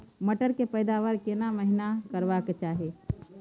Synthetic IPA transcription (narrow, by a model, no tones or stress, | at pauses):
məʈəɾkepəɪd̪aʋəɾkenaməɦinakəɾʋaket͡ʃaːɦe